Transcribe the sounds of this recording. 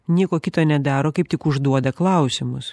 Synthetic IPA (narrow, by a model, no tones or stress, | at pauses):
nʲiɛkoːkʲɪt̪oːnʲɛd̪ɑːɾoːkɐɪp̚t̪ʲɪkʊʒd̪uɔd̪ɐklˠɐˑʊsʲɪmʊs